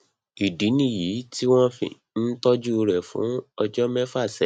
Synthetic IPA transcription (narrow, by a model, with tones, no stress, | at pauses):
i˨di˨˦nĩ˦˨ji˨˦ti˦w̃ɔ̃˦fḭ̃˧˨ | n̩˦tɔ˦d͡ʒu˦˧ɾɛ˨fṵ̃˨˦ɔ˧d͡ʒɔ˦mɛ˦fa˦˨sɛ˨